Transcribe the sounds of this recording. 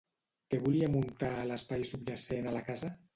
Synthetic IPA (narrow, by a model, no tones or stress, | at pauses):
keβuliamunt̪aːləspajsubʒasenalakaza